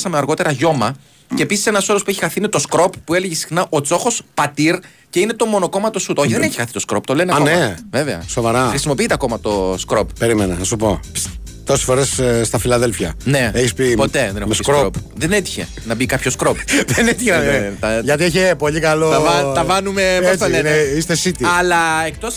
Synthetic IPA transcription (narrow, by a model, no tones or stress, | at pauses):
sɐmeɐɾɣo̞t̪e̞ɾɐʝo̞mɐ | ceːpisi̥senɐso̞lo̞spueçixɐθinet̪o̞skɾo̞pːue̞leʝesi̥xnɐʔo̞t͡so̞xo̞spɐt̪iɾ | ce̞ine̞t̪o̞mo̞no̞ko̞mɐt̪osut̪oçiðeneçi̥xɐθi̥t̪o̞skɾo̞pt̪o̞le̞neɐneve̞veɐ̰so̞vɐɾɐxɾisimo̞piit̪eɐko̞mɐt̪o̞skɾo̞ppeɾimenɐnɐsupo̞ | t̪o̞sesfo̞ɾesst̪ɐfilɐðe̞lfjɐne̞eçispipo̞t̪e̞ðensskɾoɾopðenet̪i̥çe̞̰ | nɐbikɐpçoskɾopðenet̪içenɐt̪ɐʝɐt̪ieçepoʎikɐloɐvɐt̪ɐvɐnumeoɐleneist̪esit̪iɐlɐek̚t̪o̞s